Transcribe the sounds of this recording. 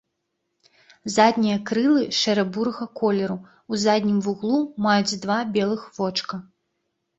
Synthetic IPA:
zad̪ʲnʲijɐkɾɨlˠɨʂɛɾɐbuɾɐɣɐkɔlʲɛɾu | uzad̪ʲnʲimvuɣlˠumajud͡zʲd̪vabʲɛlˠɨxvɔt͡ʂkɐ

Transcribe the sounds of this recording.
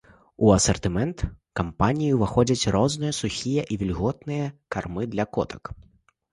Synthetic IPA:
uɐsɐrt̪ɨmɛnt̪kampanʲijuvaxɔd͡zʲɐt͡sʲrɔznɨjɐsuxʲijɛʔivʲilʲɣɔt̪nɨjɐkarmɨd̪lʲɐkɔ̰t̪ʰɐ̥k

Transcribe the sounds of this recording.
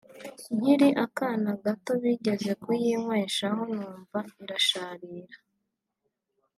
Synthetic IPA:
ɲ̥hiɾiʔakaːnaɡato̞βiɟe̞ze̞kujimweːʃaho̞nuːɱvaiɾaʃaːɾiːɾa

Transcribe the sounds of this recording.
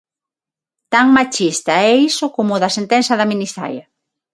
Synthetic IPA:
t̪aŋmat͡ʃist̪aɛisʊkomʊðɐsent̪ɛnsɐðɐminisa̰jɐ

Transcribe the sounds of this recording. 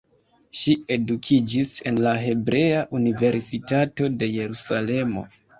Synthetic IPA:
ʃie̞dukʰid͡ʒise̞̰nlaɦe̞bɾe̞aʔunive̞ɾsitato̞de̞je̞ɾusale̞mo̞̰

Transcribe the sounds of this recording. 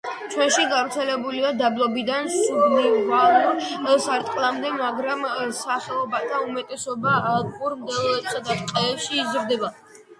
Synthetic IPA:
t͡ʃʰwɛnʃiɡavɾt̪sʰɛlɛbuliad̪ablˠɔbid̪ansuɡniʁalˠuɾsaɾt̪ʼqʼlˠamd̪ɛmaɡɾamsaχɛlˠɔbat̪ʰaumɛt̪ʼɛsɔbaːkʼuɾmd̪ɛlˠɔɛt̪sad̪aqʼɛːpʃiːzɾd̪ɛba

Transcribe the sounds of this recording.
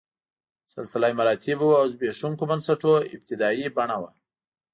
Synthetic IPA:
salsɪlɑjmaɾɑt̪ʰibuawzbeʂuŋkomansaʈoɪ̰b̚t̪ɪd̪ɑibaɳawa̰

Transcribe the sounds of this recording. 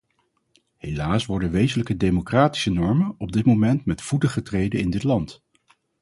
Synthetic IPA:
hejlaːsʋɔɹdənʋejzələkədejmokraːti̥sənɔɹmənɔb̚dɪtmomɛntmɛtfutəχətrejdəɪndɪtlɑnt

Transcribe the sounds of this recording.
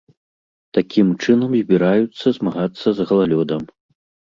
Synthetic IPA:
t̪akʲʰimt͡ʂɨnɐmzʲbʲiɾajut̪sːɐzmaɣat̪sːɐzɣɐlˠalʲɔd̪ɐm

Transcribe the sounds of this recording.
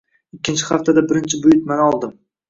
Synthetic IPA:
ɪkʲːɪnt͡ʃʰɪ̥χaft̪ʰad̪abɪɾɪnt͡ʃʰɪbʊjɪt̪̚manɒlˠd̪ɪm

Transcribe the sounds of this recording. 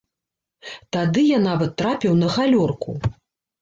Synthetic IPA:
t̪ad̪ɨjanavɐt̪ːɾapʲiwnɐɣalʲɔrkṵ

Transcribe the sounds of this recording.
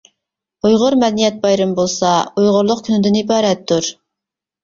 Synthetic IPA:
ujʁʊɾmɛd̪ɛnijɛt̪̚bɑjɾɨmbolˠsɑujʁʊɾlˠʊqkʲʰynɪd̪ɪnibɑːɾɛt̪ʰːuɾ

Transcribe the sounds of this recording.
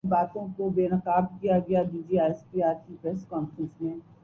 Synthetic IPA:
baːt̪õkobeːnɐkaːbkijaɡɐjaɖiːd͡ʒiaːspiaːɾkipɾɛːskɔːnfɾə̃nsmẽː

